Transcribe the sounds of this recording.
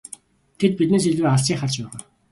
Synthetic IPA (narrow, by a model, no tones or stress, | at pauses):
t̪ʰet̪̚pit̪neːs̬iɮuːaɮsiːŋχaɮt͡ɕpæːʁœː